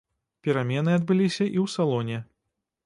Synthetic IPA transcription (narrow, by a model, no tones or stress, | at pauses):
pʲɛɾamʲɛnɨɐd̪̚bɨlʲisʲɐʔiwsalˠɔnʲɛ